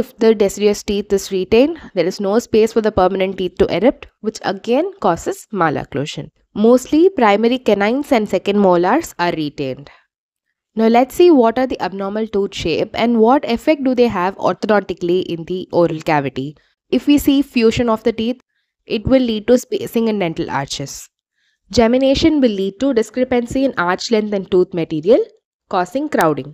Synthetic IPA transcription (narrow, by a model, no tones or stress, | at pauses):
ɪfd̪əɖɛsɖiəsʈiːt̪ʰɪzɾiʈẽːnd̪eːɾɪznoːspeːsfɔɾd̪əpəɾmənə̃ɳʈːiːt̪̚ʰʈuʔɛɾɪp̚ʈʋɪt͡ʃə̰ɡẽnkɔːsɪz̥maːla̰klo̰ːʃə̰̃n | moːsʈlipɾaɪmɛɾikɛnãɪ̃nsɛ̃ɳɖsɛkə̃ɳɖmoːlaːɾsaːɾːiʈẽːnɖ | naʊlɛʈsiːʋɔːʈaːɾd̪iʔəb̚nɔːɾməlʈuːdʃeːpɛ̰̃ɳɖʋɔːʈɪfɛk̚ʈ̚ɖud̪eːɦæʋɔ̰ːɾt̪ɔnɔːʈɪkliʔɪ̃nd̪iʔoːɾəlkæːʋɪʈi | ɪfʋiːsiːfjuːʃə̃nɔːʋd̪əʈiːt̪ʰ | ʔɪʈʋɪlːiːɖ̚ʈuspeːsɪ̃ŋɪ̃nɖɛ̃ɳʈəla̰ːɾt͡ʃɪs | d͡ʒɛmɪneːʃə̃nʋɪlːiːɖ̚ʈuɖɪskɾɪpə̃nsiɪ̃naːɾt͡ʃlɛ̃nt̪ʰɛ̃ɳɖʈuːt̪ʰməʈiːɾiəl | kɔːsɪ̃ŋkɾaʊɖɪ̃ŋ